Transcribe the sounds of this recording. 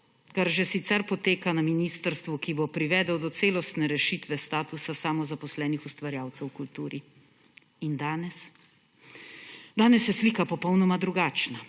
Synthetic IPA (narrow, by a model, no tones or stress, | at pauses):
kaɾʒɛsit̪sɛɾpɔt̪eːkanaminist̪əɾst̪ʋukibopɾiʋɛːd̪əwd̪ɔt̪seːlɔst̪nɛɾɛʃiːt̪ʋɛst̪aːt̪usasamɔzapɔslɛːnixust̪ʋaɾjaːwt̪sɛwkult̪uːɾi | ind̪anɛs | d̪aːnɛsjɛsliːkapɔpɔwnɔmad̪ɾuɡaːt͡ʃna